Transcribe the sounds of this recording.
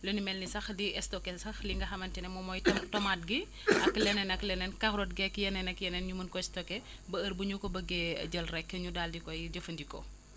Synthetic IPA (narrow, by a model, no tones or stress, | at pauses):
lɐnimɛlnisɐxdiɛstɔkɛsɐxliŋɡɐxɐmɐntinɛmɔmɔjtɐmtɔmat̚ɡi | ɐkːlɛnɛnɐklɛnɛnkɐxɾɔt̚ɡɛkːjɛnɛnɐkjɛnɛnɲumɐnkɔɛstɔkːɛ | bɐəɾbuɲukɔbɐɡɛɐ̰ɟəlrɛkːəɲudaldikɔjɟəfɐndikɔ̰